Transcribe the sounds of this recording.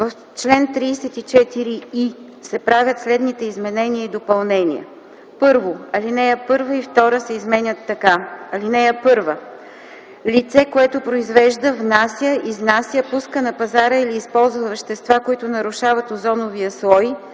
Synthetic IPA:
vəf | t͡ʃlɛnt̪ɾiːsɛt̪it͡ʃɛt̪iɾii | sɛpɾavʲjət̪slɛd̪nit̪ɛizmɛnɛniəid̪opɐlˠnɛnʲḭə̰ | pɤɾvoɐlinɛjəpɤɾvəift̪ɔɾəsɛizmɛnʲət̪ːɐkaɐlinɛjəpɤɾvə | lit̪sɛkoɛt̪opɾoizvɛʒd̪əvnasʲjəʔiznasʲjəpuskənɐpɐzaɾəiliːspɔlˠzvəvəʃt̪ɛst̪vakoit̪ʊnɐɾʊʃavət̪ozɔnoviəslˠɔj

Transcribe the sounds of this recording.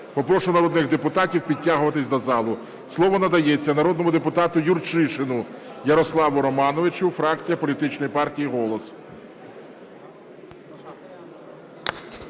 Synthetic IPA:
pɔpɾɔʃʊnɐɾɔd̪nɪxd̪epʊt̪ɑtʲiwpʲid̚ʲtʲːaɦʊʋɐt̪ɪsʲd̪ɔzɑlˠʊ | slˠɔʋɔnɐd̪ɐjet͡sʲːɐnɐɾɔd̪nɔmʊd̪epʊt̪ɑt̪ʊjʊrt͡ʃɪʃɪnʊjɐɾɔslˠɑʋʊɾɔmɑnɔʋɪt͡ʃʊfɾɑkt͡sʲijɐpɔlʲit̪ɪt͡ʃnɔjipɑrtʲijiɦɔlˠɔs

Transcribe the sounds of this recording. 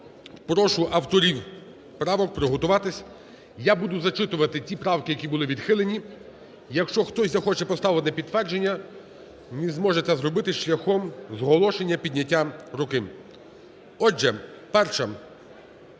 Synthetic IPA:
pɾɔʃʊʔɐwt̪ɔɾʲiw | pɾɑʋɔk̚pɾɔɦɔt̪ʊʋɑt̪ɪsʲ | jabud̪ʊzɐt͡ʃɪt̪ʊʋɐt̪ɪtʲipɾɑwkɪjɐkʲibʊlˠɪʋʲid̪xɪlˠenʲi | jɐkʃt͡ʃɔxt̪ɔsʲzɐxɔt͡ʃɛpɔst̪ɑʋɪnɛpʲid̪t̪ːʋɛrd͡ʒenʲːɐ | nizmɔʒɛt̪sɛzɾɔbɪt̪ɪʃlʲɐxɔmzɦɔlˠɔʃe̞nʲːɐpʲid̪ʲnʲɐtʲːaɾʊkɪ | ɔd͡ʒɛ | pɛrʃɐ

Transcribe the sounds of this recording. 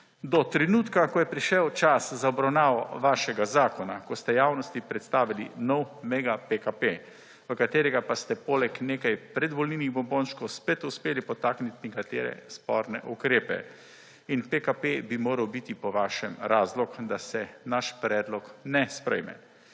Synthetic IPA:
d̪ɔt̪ɾɛnuːt̪kakɔjɛpɾiʃɛwt͡ʃaszaɔbɾawnaːʋɔʋaːʃɛɡazaːkɔna̰kɔst̪ɛjaːwnɔst̪ipɾɛt̪st̪aːʋilḭnɔwmɛɡapekape | ʋəkat̪eːɾɛɡapast̪ɛpoːlɛkneːkajpɾɛd̪ʋɔlniːniɣbɔmbõnʃkɔwspet̪uspeːlipɔt̪aːknit̪nɛkat̪ḛːɾɛ̰spɔ̰ːɾnɛ̰ʔukɾeːpɛ̰ | inpekapebimoːɾawbit̪ipɔʋaːʃɛmɾaːzlɔkd̪asɛnaʃpɾɛːd̪lɔknɛspɾɛ̰jmɛ̰

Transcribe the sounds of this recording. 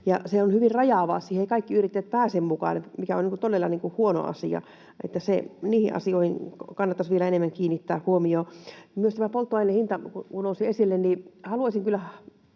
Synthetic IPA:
jɑseonhyʋirrɑjɑʋɑ̰ːsiːheikɑikːiyrit̪ːæt̪̚pæːsemmukɑ̰ːnet̪mikæoniŋkut̪olːelːɑniːŋkuhuono̰ɑ̰sḭɑ̰ | ʔḛt̪ːæseniːhḭʔʔɑ̰sioihiŋkɑnːɑt̪ːɑsʋielæenemːæŋkiːnːit̪ːæːhuomioːmyøst̪æmæpolt̪ːuɑinːehint̪ɑkukunousiesilːennihɑluɑsiŋkylːæ

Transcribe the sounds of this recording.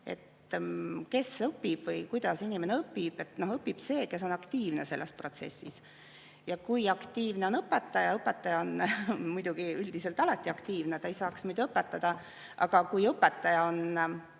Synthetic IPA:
e̞̰t̪ | ke̞sɤpːib̥vɤjkujd̪̥ɑsinʲime̞neɤpːib̥e̞t̪no̞hɤpːib̥se̞ːke̞s̬o̞nɑkt̪iːvne̞se̞lːespro̞t̪se̞̰sːis | jɑkujɑkt̪iːvne̞o̞nɤpːet̪ːˑɑjɑɤpːet̪ːˑɑjɑo̞nmujd̪̥uɡ̥iyld̪̥iselt̪ˑɑlɑt̪ːˑiɑkt̪iːvnet̪ɑejsɑːksmujd̪uɤpːet̪ːˑɑd̪̥ɑ | ʔɑ̰ɡ̥ɑkujɤpːet̪ˑːɑjɑo̞n

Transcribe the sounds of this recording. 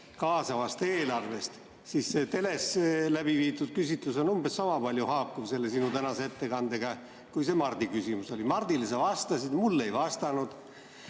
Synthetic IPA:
kɑːsɑvɑst̪e̞ːlɑrve̞st̪ | sisːet̪e̞le̞slæb̥iviːt̪ˑud̪̥̚kysit̪luso̞numbesːɑmɑpɑlʲjuhɑːkːuvse̞lːe̞sinut̪ænɑseet̪ːe̞kɑnd̪eɡ̥ɑ | kujse̞mɑrd̪ikysimuso̞limɑrd̪̥ilesɑvɑst̪ɑsid̪̥mulːe̞jvɑst̪ɑnud̪̥

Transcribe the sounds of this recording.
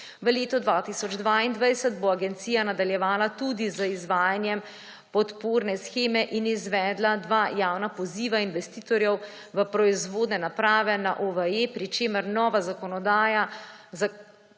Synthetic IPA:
ʋəleːt̪ɔd̪ʋaːt̪isɔd͡ʒd̪ʋaːind̪ʋajsəd̪boaɡɛnt̪siːjanad̪aljɛʋaːlat̪ud̪izəizʋaːjanjɛm | pɔt̪poːɾnɛsxeːmɛʔinizʋɛːd̪lad̪ʋaːjaːwnapɔziːʋainʋɛst̪iːt̪ɔɾjɛw | ʋəpɾɔizʋoːd̪nɛnapɾaːʋɛnaʔoʋəjepɾit͡ʃeːməɾnɔːʋazakɔnɔd̪aːjaza

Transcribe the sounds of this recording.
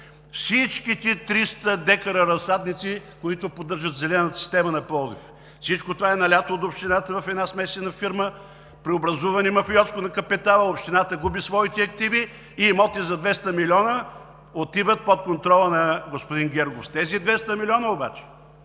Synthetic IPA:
fsit͡ʃkit̪it̪ɾist̪əd̪ɛkɐɾəɾɐsad̪nit̪sikoit̪ʊpod̪ːɤɾʒət̪zɛlɛnət̪ə̥si̥st̪ɛmənɐpɔlˠd̪if | fsit͡ʃkot̪ovaɛnɐlʲat̪oot̪opʃt̪inat̪əvɐfɛd̪nasmɛsʲt̪inɐfiɾmə | pɾiobɾɐzuvɐnimɐfiɔt̪skonɐkɐpɛt̪alˠəopʃt̪inat̪əɡubisvɔit̪ɛɐkt̪iviː | mɔt̪izɐd̪vɛst̪əmilʲɔnə | ot̪ivət̪̚pot̪̚kont̪ɾɔlˠənɐɡospod̪inɡʲɛɾɡofst̪ɛzid̪vɛst̪əmilʲɔnəoba̰t͡ʃɛ̥

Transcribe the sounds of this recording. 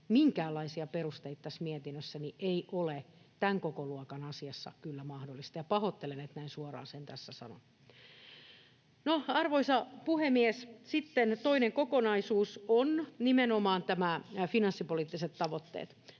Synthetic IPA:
miŋkæːlːɑisiɑperust̪eit̪ɑt̪æsmiɛt̪inːøsːæniʔeiʔole | t̪æŋkokoluɑkɑnɑsiɑsːɑ̰kylːæmɑhdolːˑist̪ɑjɑpɑhot̪ːelenet̪næinsuɑrɑ̰ːnsent̪æsːæsɑ̰no̰n | noɑrʋoisɑpuhemiɛssit̪ːent̪oineŋkokonɑisuːsonnimenomɑːnt̪æmæfinɑnsːipoliːt̪ːiset̪t̪ɑʋot̪ːḛːt̪

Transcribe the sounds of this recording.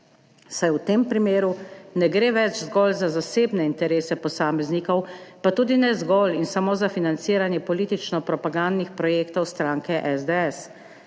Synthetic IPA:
sajwt̪eːmpɾimeːɾunɛɡɾeːʋɛt͡ʃzɡɔlzazaseːbnɛint̪ɛɾeːsɛpɔsaːmɛzniːkɔwpat̪uːd̪inɛzɡɔlinsamoːzafinant̪siːɾanjɛpɔliːt̪it͡ʃnɔpɾɔpaɡand̪nixpɾɔjeːkt̪ɔwst̪ɾaːŋkɛʔɛzd̪eɛs

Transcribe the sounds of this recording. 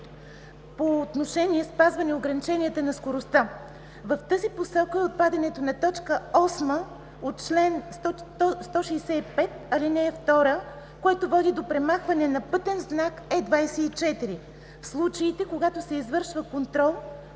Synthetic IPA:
poːt̪noʃɛnʲiɛspazvɐnɛoɡɾɐnit͡ʃɛniɛt̪ənɐskoɾost̪a | vɐft̪əziposɛlˠkəɛot̪̚pad̪ɛnɛt̪onɐt̪ɔt͡ʃkəɔsmə | ot̪̚t͡ʃlɛns | ɔst̪ɔʃɛjsɛipɛt̪̚ɐlinɛːft̪ɔɾə | koɛt̪ovɔd̪id̪opɾɛmaxvɐnɛnɐpɤt̪ɛnznakɛd̪vajsɛit͡ʃɛt̪iɾi | fslˠut͡ʃəit̪ɛkoɡat̪osɛizvɤɾʃvəkont̪ɾɔlˠ

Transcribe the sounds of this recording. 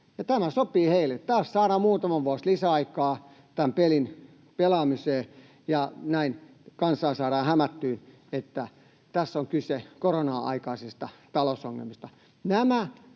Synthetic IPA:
jɑt̪æmæsopiːheilːˑet̪t̪ɑːssɑːɾɑmuːt̪ɑmɑʋʋuɑslisæɑikˑɑː | t̪æmpelin | pelɑmiseː | jɑnæin | kɑnsɑːsɑːɾɑːhæmæt̪ːyːn | et̪ːæ | t̪æsːoŋkysekoronɑːɑ̰ikɑisest̪ɑt̪ɑlosoŋːḛlmist̪ɑ | næmæ

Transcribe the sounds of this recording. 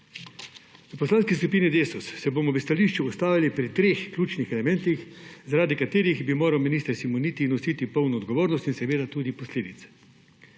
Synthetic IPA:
upɔslaːnskiskupiːnid̪eːsɔsːɛboːmɔʋəst̪aliʃt͡ʃuːst̪aːʋilipɾit̪ɾeːxklʲuːt͡ʃnixɛlɛmɛ̃nt̪ixzaɾaːd̪ikat̪eːɾiɣbimoːɾawminiːst̪əɾsimoniːt̪inɔsit̪ipɔwnɔɔd̪ɡɔʋoːɾnɔst̪insɛʋeːd̪at̪uːd̪ipɔsleːd̪it̪sɛ̥

